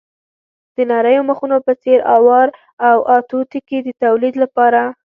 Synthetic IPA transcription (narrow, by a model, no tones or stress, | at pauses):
d̪̥ənaɾəjoməxunopət͡seɾɑwɑɾ | awʔɑt̪ot̪ikid̪ət̪awlid̪lapɑɾa